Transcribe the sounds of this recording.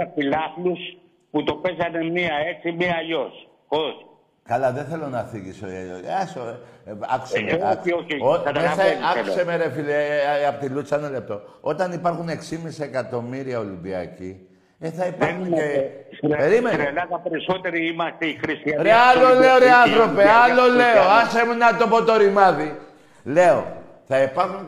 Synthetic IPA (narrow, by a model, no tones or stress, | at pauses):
ɐfilɐflus | put̪o̞pezɐnemiɐe̞t͡simiɐʎos | kos | kɐlɐðeθe̞lonɐθiʝisoɐsoɐ̰ku̥semeiooɐesɐɐkusemeɾefileɐpot̪ilut͡senɐle̞p̚t̪o̞o̞t̪ɐnipɐɾxune̞ksimisiekɐt̪o̞miɾiɐo̞limbiɐ̰ci | eθɐipɐxune | peɾimenlɐðɐpeɾisot̪eɾiimɐst̪eixɾist̪iɐɾeɐloleoɾeɐnθɾo̞peɐlo̞le̞oɐsemunɐt̪opo̞t̪o̞ɾimɐði | le̞o | θɐipɐɾxun